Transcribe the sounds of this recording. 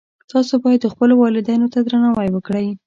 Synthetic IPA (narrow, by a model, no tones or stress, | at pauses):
t̪ɑsobɑjad̪ːəxpəlowɑlɪd̪ɑjnot̪ad̪ɾanawajwəkɽəj